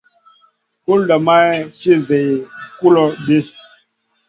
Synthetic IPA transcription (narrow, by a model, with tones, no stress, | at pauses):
ku˦lɔ˨ma˦t͡ʃi˦ze˨ku˦lɔ˦ɓe˦